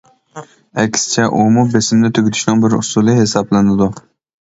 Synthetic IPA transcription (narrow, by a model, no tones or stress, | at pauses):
ɛkʲsɪ̥t͡ʃʰɛʔumubesɪmnɪt̪ʰøɡʲɪt̪ʰy̥ʃnɪŋbɪɾʊsulˠɨɦesɑblˠɨnɨd̪u